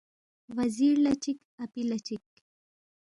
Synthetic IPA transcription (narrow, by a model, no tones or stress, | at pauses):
wɐziɾlat͡ʃik | apilat͡ʃik